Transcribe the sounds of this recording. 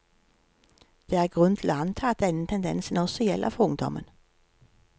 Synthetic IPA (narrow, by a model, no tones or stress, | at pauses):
d̪̥eːæːʁɡʁʉntʰɪloːɑnt̪ʰɑːɑt̪̚d̪ɛnət̪ʰɛnd̪ɛ̰nsn̩ɔsɔjɛlʔə̰fɔʊŋd̪ɔ̰mə̰n